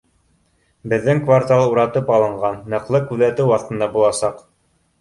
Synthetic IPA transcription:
bɘ̆ðːɘŋkvart̪alˠuɾɑt̪ɤpɑlˠɤ̆ɴʁɑnːɤ̆qlˠɤkʉðæt̪ɘwɑθt̪ɤ̆nd̪ɑbulˠɑsɑq

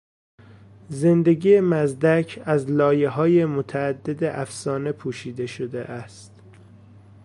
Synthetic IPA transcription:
ze̞nd̪e̞ɡiːjemæzd̪æcʰæzlɒːje̞ɦɒːjemot̪ʰæːd̪ːe̞d̪eʔæfsɒːne̞pʰuːʃiːd̪e̞ʃod̪ḛʔæst̪

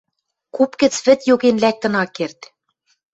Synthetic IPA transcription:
kupkɘ̆t͡sβɘ̆t̪joɣenlæk̚t̪ɤ̆nɑkːert̪

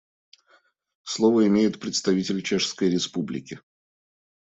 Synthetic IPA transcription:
slˠovəɪmʲejɪt̪pɾʲɪt̪st̪ɐvʲitʲɪlʲt͡ɕeʂskəjɾʲɪspublʲɪ̰kʲɪ

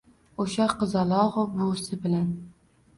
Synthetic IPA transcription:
oʃɑqɨzɑlˠɑʁʊbosɪbɪlan

